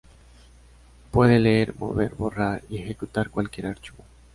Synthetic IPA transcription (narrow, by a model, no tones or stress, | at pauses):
pwe̞ðe̞leeɾmo̞̰βe̞ɾβo̞raɾie̞xe̞kut̪aɾkwalkje̞ɾaɾt͡ʃuβo